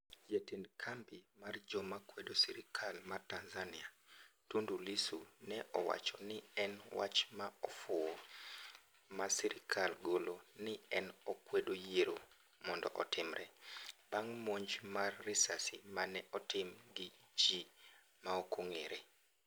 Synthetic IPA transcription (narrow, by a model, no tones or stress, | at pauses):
d͡ʒetindkʰambimard͡ʒɔmakwedosiɾɪkʰalmartanzaniatundulisunɛʔɔwa̰t͡ʃɔnɪɛnwa̰t͡ʃmaɔfʊɔ | masiɾɪkʰalɡolonɪɛnɔkwedojeɾo | mɔndɔ̰ʔɔtɪmɾʔɛbaŋmoɲd͡ʒmarːɪsasimanɛʔɔtɪmɡid͡ʒi | maɔkoŋeɾe